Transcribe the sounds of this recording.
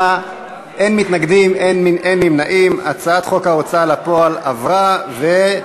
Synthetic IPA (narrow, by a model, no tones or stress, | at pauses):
a | ʔenmit̪naɡd̪imenminenmimnaʔimat͡saat̪χo̞khaot͡salapo̞alavʁave